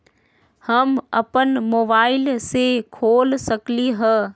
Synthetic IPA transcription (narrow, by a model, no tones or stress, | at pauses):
hɐmɐ̰pənmoːbaːɪlsekʰoːlsɐkliɦə